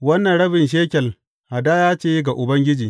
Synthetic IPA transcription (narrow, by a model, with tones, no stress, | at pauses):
wɐ˦nːɐ˨nɽɐ˦bɪ˨nʃ̬eː˦kʲɛ˨l | ha˨daː˦jaː˦t͡ʃeː˦ɡa˨ʔʊ˨bɐ˦ŋɡʲɪ˦d͡ʒiː˨